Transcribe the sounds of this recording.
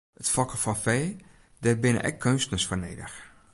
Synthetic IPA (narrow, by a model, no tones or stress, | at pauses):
ətfɔkəfɔnfeː | dɛrbɪnə̰ʔɛ̰kʰːønstənəsfərneːdə̰x